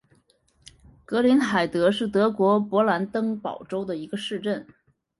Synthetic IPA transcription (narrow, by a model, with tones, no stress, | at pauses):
kɤ˧˥li˧˥nxa˨˩ɪt̪ɤ˧˥ʂɻ̩˥˩t̪ɤ˧˥kwɔ˧˥pwɔ˧˥la˧˥nt̪ɤ˥ŋpɑ˨˩ʊʈ͡ʂo˥ʊd̪ə˨i˧˥ɡə˧ʂɻ̩˥˧ʈ͡ʂə˥˩n